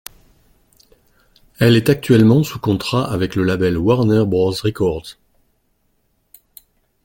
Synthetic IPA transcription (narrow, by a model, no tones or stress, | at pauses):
ɛlɛt̪ak̚t̪ɥɛlmɑ̃sukɔ̃t̪χaʔavɛkləlabɛlwaʁnɛʁbʁɔ̃zʁɛkɔʁd̪